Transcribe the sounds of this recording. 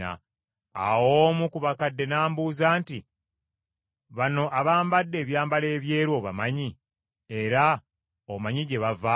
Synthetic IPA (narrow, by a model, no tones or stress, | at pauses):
a̰ | a̰wo̞ːmukuβakadːe̞naːmbuːzaːnti | βano̞ʔaβaːmbadːe̞ːβjaːmbale̞ːβje̞ːɾwo̞βa̰maɲi | e̞ɾa | omaɲiɟe̞βava